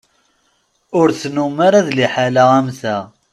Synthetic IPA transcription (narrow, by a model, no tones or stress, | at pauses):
ʊɾθnumaɾaðliħalaʁæmθæ